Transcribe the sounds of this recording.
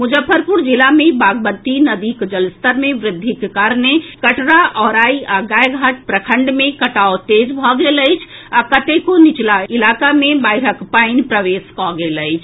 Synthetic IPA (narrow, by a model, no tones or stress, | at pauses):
mud͡ʒəfʰːəɾpuɾd͡ʒilamebaɡbət̪inəd̪ikd͡ʒəlst̪əɾmeʋɾɪd̪ʱːikekaɾnekəʈɾaʔɔɾaiaɡajɡʱaʈ̚pɾəkʰəɳɖmẽkəʈaot̪ed͡ʒbʱɔɡeləjt͡ʃʰakət̪ekonit͡ʃlailakamebajɾəkpaɪnpɾəʋeskɔɡeləɪt͡ʃʰ